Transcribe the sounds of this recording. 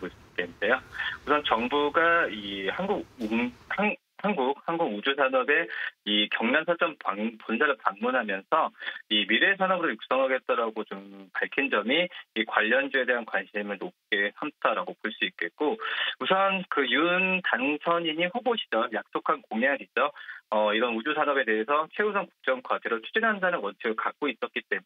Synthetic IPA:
poɭs͈uik͈ede̞jousʰʌnt͡ɕʌŋbuɡaihanɡuɡuha | hanɡuk̚hanɡuɡud͡ʑusʰanʌbe̞ikjʌŋnansʰat͡ɕ͈ʌmpaŋponsʰaɾɯɭpaŋmunɦamjʌnsʰʌimiɾe̞sʰanʌbɾɯɭjuk̚s͈ʌŋɦaɡe̞t̚t͈ʌɾaɡot͡ɕompaɭkʰind͡ʑʌmiːkwaʎːʌnd͡ʑue̞de̞ɦankwanɕʰimɯɭnop̚k͈e̞sʰamtʰaɾaɡopoɭs͈uit̚k͈e̞t̚k͈ousʰʌnkɯjuntansʰʌɲiɲiɸoboɕʰi̥d͡ʑʌjak̚s͈okʰankoŋjaŋid͡ʑʌʌiɾʌnud͡ʑusʰanʌbe̞de̞ɦesʰʌt͡ɕʰe̞usʰaŋku̥k̚t͡ɕ͈ʌŋkʰwad͡ʑeɾoɭt͡ɕʰu̥d͡ʑinɦandanɯnwʌnt͡ɕʰɯɡɯɭkak̚k͈ois͈ʌt̚k͈it͈e̞mun

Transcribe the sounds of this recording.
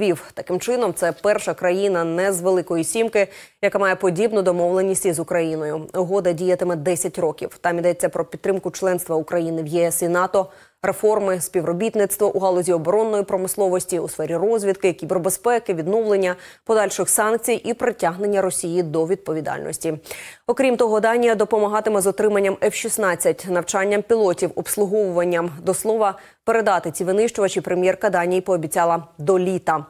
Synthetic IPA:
ʋʲiwt̪ɐkɪmt͡ʃɪnɔmt̪sɛpɛrʃɐkɾɐjinɐnɛzʋelˠɪkɔjisʲimkɪ | jɐkamɑjɛpɔdʲibnʊd̪ɔmɔʋlˠenʲːisʲtʲizʊkɾɐjinɔjʊʊɦɔd̪ɐdʲijɐt̪ɪmɛd̪ɛsʲɐtʲrɔkʲḭwt̪ɑmʲid̪ɛt͡sʲːɐpɾɔpʲit̪ːɾɪmkʊt͡ʃlˠɛnst̪ʋɐukɾɐjinɪwjɛɛsinɑt̪ɔ | refɔrmɪsʲpʲiʋrɔbʲit̪nɪt̪st̪ʋɔʔuɦɑlˠɔzʲiɔbɔɾɔnːɔjipɾɔmɪslˠɔʋɔsʲtʲiusfɛɾʲirɔzʲʋʲid̪kɪkʲibɾɔbespɛkɪʋʲid̪nɔʋlenʲːɐpɔd̪ɑlʲʃɪxsɑnk̚t͡sʲijʔipɾetʲaɦne̞nʲːɐɾɔsʲijid̪ɔʋʲid̪̚pɔʋʲid̪ɑ̰lʲnɔ̰sʲtʲiɔkɾʲimt̪ɔɦɔd̪ɑnʲijɐd̪ɔpɔmɐɦɑt̪ɪmɛzɔt̪ɾɪmɐnʲːɐmɛfʃisnɑt͡sʲːɐtʲnɐwt͡ʃɑnʲːɐmpʲilˠɔtʲiwɔpslˠʊɦɔʋʊʋɐnʲːɐmd̪ɔslˠɔʋɐ | pe̞ɾe̞d̪ɑt̪ɪt͡sʲiʋɪnɪʃt͡ʃʊʋɐt͡ʃipɾemʲjɛrkɐd̪ɑnʲijipɔːbʲit͡sʲɑlˠɐd̪ɔlʲit̪ɐ

